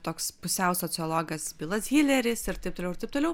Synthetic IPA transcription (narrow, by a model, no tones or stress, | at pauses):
t̪oːkspʊsʲɛʊsoːt͡s̪ʲɪɔːlˠoːɡɐsbʲiːlˠɐsɡʲiːlʲɛɾʲɪsɪɾt̪ɐɪp̚t̪oːlʲɛʊɪɾtɐɪp̚t̪oːlʲɛʊ